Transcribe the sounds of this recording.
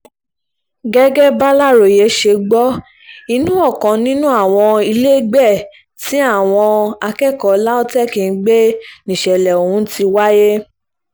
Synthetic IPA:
ɡɛ˦ɡɛ˦ba˦la˦˨ɾo˨je˨˦ʃe˧ɡ͡bɔ˦ | i˧nũ˦ɔ˦˨kã˨nĩ˦nũ˦a˦˨w̃ɔ̃˧i˧le˦ɡ͡bɛ˦˨ | ti˨˦a˦˨w̃ɔ̃˧a˧kɛ˦˨kɔ˨la˦o˦tɛ˦˨kĩ˧˦ɡ͡be˦nĩ˨ʃɛ˨lɛ˨o˨hũ˨˦ti˧wa˦je˦

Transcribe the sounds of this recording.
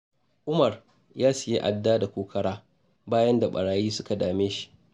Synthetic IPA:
ʔʊ˦mɐ˨r | jaː˦sɪ˨je˦ʔa˨dːaː˦da˨kʷoː˨kʰɐ˦ɽaː˦ | baː˦jɐ˦nda˨ɓɐ̰˨ɽaː˨jiː˦sʊ˦ka˨daː˨meː˦ʃi̥˦ʔ

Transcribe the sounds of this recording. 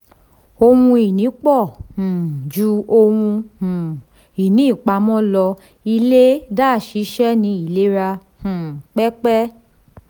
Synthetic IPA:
o˧wũ˧i˨nĩ˨˦k͡pɔ˦˨hũ˨d͡ʒu˧˦o˧wũ˧hũ˨ | i˨nĩ˨˦i˦˨k͡pa˨˧mɔ̃˦lɔ˧ | i˧le˦daː˦˨ʃi˨˦ʃɛ˦nĩ˧i˨le˨˦ɾa˧ | hũ˨k͡pɛ˦k͡pɛ˦

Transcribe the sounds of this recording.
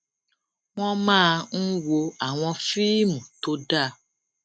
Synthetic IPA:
w̃ɔ̃˦mãː˦˧n̩˦wo˧a˨w̃ɔ̃˧fi˦mũ˨to˦da˦˨

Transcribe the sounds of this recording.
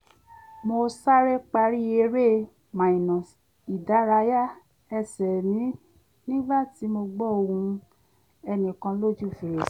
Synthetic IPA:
mo˧sa˦ɾe˦k͡pa˧ɾi˦e˧ɾe˦ | mã˨i˨nã˨ | i˨da˨˦ɾa˨˧˦ja˦ | ɛ˧sɛ˨nĩ˨˦ | nĩ˦ba˦ti˨˦mo˧ɡ͡bɔ˦o˧ũ˧ | ɛ˧nĩ˨kã˧˦lo˦d͡ʒu˦˨fi˨ɾe˨s

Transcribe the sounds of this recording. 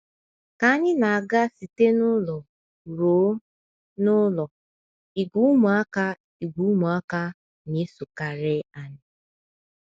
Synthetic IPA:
ka˨a˦ɲɪ˦na˨a˨ɡa˦si˨te˦nʊ˦lɔ˨ | ɾoː˨˦ | nʊ˦lɔ˨ | i˨ɡʷu˦mu˨a˦ka˦ | i˨ɡʷu˨˦mu˨a˦ka˦ | ni˦su˨ka˨ɾɪ˦a˨nɪ˨

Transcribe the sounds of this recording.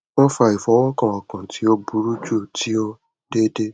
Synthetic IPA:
wɔ̃˦fa˧i˨fɔ˨˦wɔ˦kã˨a˧˨kã˨tʰi˨˦o˧bu˨˦ɾu˦d͡ʒu˦˨tʰi˨˦o˧ | de˦de˦

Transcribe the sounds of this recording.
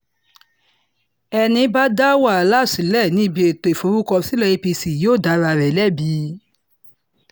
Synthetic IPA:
ɛ˧nĩ˧˦ba˦da˦wa˦˨la˦˨si˨˦lɛ˦˨nĩ˨˦˨bi˧e˨to˨i˨fo˨˧˦ɾu˦kɔ˧si˨˦lɛ˦i˧pi˧si˨joː˦˨da˨˦ɾa˧˨ɾɛ˨lɛ˦˨bi˨˦

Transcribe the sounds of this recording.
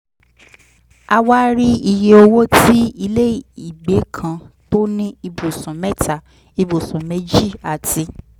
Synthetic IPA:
a˧wa˦ɾi˦i˧je˧o˧wo˦ti˦i˧le˦i˨i˨ɡ͡be˨˦kʰã˧to˦nĩ˦i˧bo˨sɔ̃˨mɛ˦ta˦˨ | i˧bo˨sũ˨me˨˦d͡ʒi˦˨a˨tʰi˧

